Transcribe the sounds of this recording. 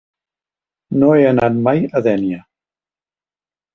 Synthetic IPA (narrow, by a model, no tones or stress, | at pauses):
noənanmajəðɛnja